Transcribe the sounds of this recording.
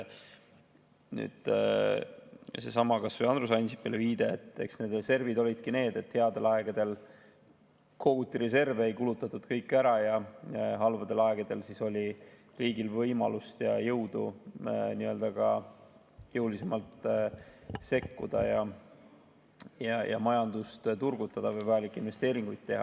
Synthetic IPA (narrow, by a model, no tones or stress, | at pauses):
ny̰ːd̪̥ | se̞sɑmɑkɑsvoɑnd̪ɾusɑjnsi̥pːˑeleviːd̪̥e̞et̪ːˑe̞ksne̞d̪̥rese̞rvid̪o̞lʲid̪̥̚kine̞ːd̪̥e̞t̪he̞ɑd̪e̞lɑe̞ɡ̥ɑd̪̥e̞l | kʰo̞ut̪ːˑiɾe̞se̞rveejkulut̪ːˑɑt̪ːˑud̪̥kɤjkːˑæɾɑjɑɦɑlvɑd̪e̞lɑeɡ̥ɑd̪̥e̞lsiso̞lʲi | riːɡilvɤjmɑ̰lust̪jɑjɤwd̪̥ṵniø̞ːld̪̥ɑɡɑ | jɤwlisemɑlt̪ | se̞kːud̪̥ɑ̰jɑ | jɑjʔɑ̰mɑjɑnd̪ust̪t̪urɡ̥ut̪ːˑɑd̪̥ɑvɤjvɑjɑlikːinve̞st̪e̞ːɾiŋɡ̥ujd̪̥̚t̪ːe̞ɦɑ̰